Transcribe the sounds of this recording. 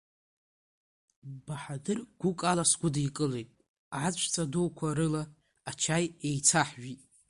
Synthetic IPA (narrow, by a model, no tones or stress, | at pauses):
b̥aħadɨrɡ̥ʷʊkʼalasɡʷʊdjkʼɨlejtʼ | ʕat͡sʷʰʼt͡sʰʼadowkʷʰaɾɨlaː | t͡ʃʰajejt͡sʰaħʒitʼ